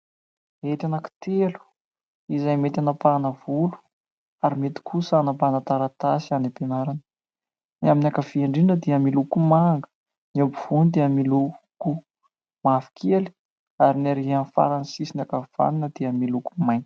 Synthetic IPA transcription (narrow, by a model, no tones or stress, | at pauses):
et̪anaki̥t̪elu̥ | izajmet̪anapanəvulu̥ | aɾimet̪i̥kʰusanapanat̪aɾat̪asianipenaɾan | niaminakəv̥iaɳɖ͡ʐiɖ͡ʐəd̪iəmilukumaŋɡə̥ | nobiv̥unid̪iəmiluku | mafi̥kʰʲeli̥ | aɾinaɾiɦanfa̰ɾansisinakəv̥a̰ninəd̪̥iəmilukumajn̥